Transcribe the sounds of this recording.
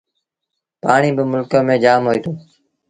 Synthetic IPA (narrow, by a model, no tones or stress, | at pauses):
paːɳiːbəmʊlkəːmẽːd͡ʒaːmɦoːiːt̪ʰoː